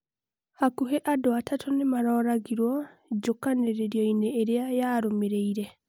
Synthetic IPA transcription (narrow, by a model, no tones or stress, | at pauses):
hakuɦeʔadwatatʰonemaɾɔːɾaɡiɾwɔɟokaneɾeɾjɔineːɾejajaːɾomeɾeiɾe